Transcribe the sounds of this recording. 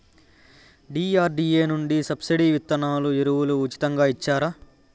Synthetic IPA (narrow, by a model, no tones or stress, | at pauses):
ɖiːaːɾɖiːeːnuɳɖisɐbsiɖiʋit̪ːɐnaːluiɾuwuluːt͡ʃi̥t̪ɐŋɡaːit͡ʃːaːɾa